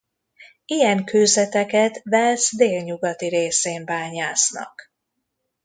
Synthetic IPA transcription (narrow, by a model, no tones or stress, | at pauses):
ijɛŋkøːzɛt̪ɛkɛt̪vɛlzd̪eːlɲuɡɒt̪iɾeːseːmbaːɲaːsnɒ̰k